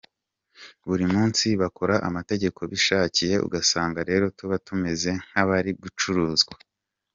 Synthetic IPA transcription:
βuɾimuːnsiβako̞ɾaʔamate̞ɟe̞kʰo̞βiʃaːcije̞ṵɡasaːŋɡaɾe̞ːɾo̞tuβatume̞ze̞ŋ̥haβaɾiɡut͡ʃuɾuːzɡwḁ

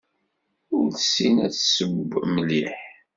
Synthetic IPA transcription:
ʊɾsinæt͡ssəbməliħ

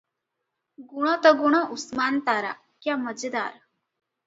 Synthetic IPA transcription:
ɡuɽ̃ət̪əɡuɽ̃əʔusmant̪aɾa̰ | kjaməd͡zd̪a̰ɾ

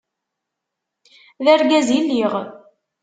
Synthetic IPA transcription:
ðæɾɡæzilːiʁ

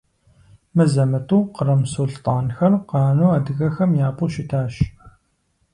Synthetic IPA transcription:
mɨzɐmɐtʼuːqərɐmsuɮtʼɑːnxɐrqɑːnuːaːdɨɣɐxɐmjaːpʼuʃitʰaːʃ

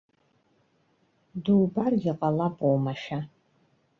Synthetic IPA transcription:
duːbarɡʲɪqʼɐlɐpʼowmɐʃa

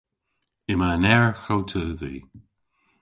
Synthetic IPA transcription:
ɪmanɛɹxowtʰəːðḭː

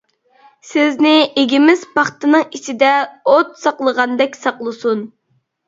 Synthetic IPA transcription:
sɪznɪeɡʲimɪzpɑχt̪ɨnɨŋit͡ʃʰid̪ɛot̪sɑqlˠəʁɑnd̪ɛkʲsɑqlˠɨsun

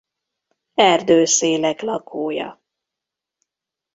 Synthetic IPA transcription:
ɛrd̪øːseːlɛklɒkʰoːjɒ̰

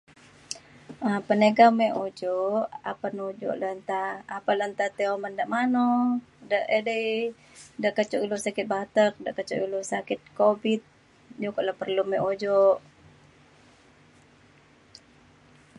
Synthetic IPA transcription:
apənəɡamɛʔod͡ʒɔʔa̰panod͡ʒɔ̰ʔlənt̪aːpalənt̪at̪ɛoməndaʔmano | daʔedəi | daʔkət͡ʃɔʔilusakɪt̪̚bat̪ək̚daʔkət͡ʃɔ̰ʔilosakɪt̪̚kobit̪̚ | d͡ʒukɔʔlahpərlumɛʔod͡ʒɔʔ

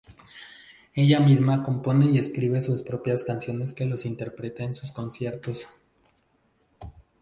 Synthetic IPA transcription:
e̞ʝamizmako̞mpo̞ne̞ie̞skɾiβe̞suspɾo̞pjaskansjo̞ne̞ske̞lo̞sint̪e̞ɾpɾe̞t̪eːnsusko̞nsje̞ɾt̪o̞s

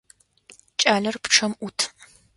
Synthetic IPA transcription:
t͡ʃʼaːɮɐrpʈ͡ʂʰɐmʔutʰ

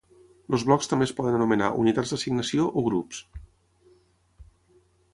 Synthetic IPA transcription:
ləzβlɔkst̪əmbespɔðənənumənaʔṵnit̪adzd̪əsiɡnəsioʔoɣ̞ɾups

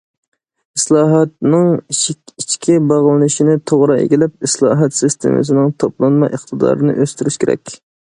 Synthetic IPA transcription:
islˠɑːɦɑt̪nɨŋʲ | it͡ʃkʲʰibɑʁlˠɨnɨʃinɪt̪ʰoʁɾɑḛɡʲilɛp̚islˠɑ̰ːɦɑt̪sɨst̪ʰḛmɨ̰s̬ɪnɪŋt̪ʰoplˠɑnmɑʔəχt̪ʰɨd̪ɑ̰ːɾɨnɨ̰ʔøst̪yɾyʃkʲeɾɛ̰kʲ

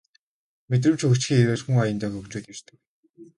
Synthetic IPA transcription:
met̪̬rɘ̆mt͡ɕʰɵkt͡ɕxʲiːeweːɮxuŋajə̆nt̪æːxɵkt͡ɕuːt̪ert̪ʰɘ̆k

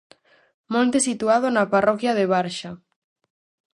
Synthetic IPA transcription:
mõnt̪esit̪uað̞ʊnaparɔkjɐðeβaɾʃa

